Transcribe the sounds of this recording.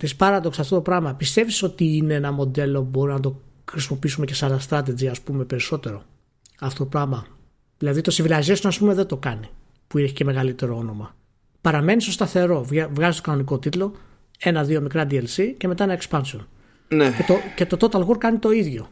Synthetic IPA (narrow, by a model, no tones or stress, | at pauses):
t̪ispɐɾɐðo̞ksɐft̪o̞t̪o̞pɾɐɣmɐpist̪e̞viso̞t̪iineenɐmo̞d̪e̞lo̞ubo̞ɾinɐt̪̬o̞xɾisimo̞piisumece̞sɐlɐst̪ɾɐt̪ed͡ziɐspume̞pe̞ɾiso̞t̪e̞ɾo̞ | ɐft̪o̞t̪opɾɐɣmɐ | ðilɐðit̪o̞sivilɐzesonɐspumeðe̞d̪o̞kɐni | puineçi̥ce̞me̞ɣɐlit̪e̞ɾo̞o̞no̞mɐ | pɐɾɐme̞niso̞st̪ɐθe̞ɾo̞vvɣɐzist̪o̞kɐno̞niko̞t̪it̪lo̞ | e̞nɐðio̞mikɾɐd̪ielsice̞me̞t̪ɐinɐekspɐnsion | neet̪oce̞t̪ot̪ot̪ɐlɣoɾkɐnit̪o̞iðʝo̞